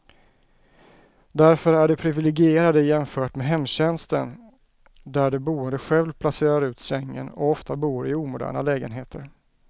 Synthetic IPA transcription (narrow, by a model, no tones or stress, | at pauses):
d̪æɾfœɾæɖɛpʰɾɪvɪlɛɡɪeːɾad̪əjɛmfœːʈmeɦɛmːɕɛnst̪ə̰n | d̪æɖɛbuːənd̪əɧɛlvpʰlaseːɾaɾʉ̟ːt̪sɛŋːə̰nɔ̰ɔft̪abuːɾɪuːmʊd̪æ̰ːɳa̰lɛːɡənɦeːt̪ʰəɾ